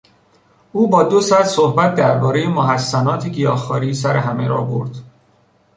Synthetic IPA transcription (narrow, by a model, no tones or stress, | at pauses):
uːbɒːd̪osæt̪sohbæt̪̚ʰd̪æɾbɒːɾejemoɦæsːænɒːt̪ʰeɟijɒːxɒːɾiːsæɾeɦæmeɾɒːbo̞̰ɾd̪̥